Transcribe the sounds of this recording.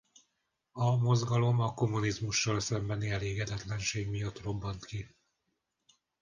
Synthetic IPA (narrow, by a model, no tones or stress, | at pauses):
ɒmo̞zɡɒlo̞mɒko̞mːunizmuʃːɒlsɛmbɛniɛleːɡɛd̪ɛt̪lɛnʃeːɡmijɒt̪ro̞bːɒnt̪ki